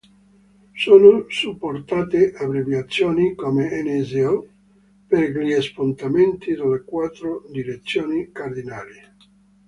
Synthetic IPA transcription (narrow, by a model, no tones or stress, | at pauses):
soːnosupːort̪aːt̪eʔabɾevjat̪sːjoːnikomeɛnezeɔ | perʎiespont̪ament̪id̪alekwat̪ːɾod̪iɾet̪sːjoːnikard̪inaːli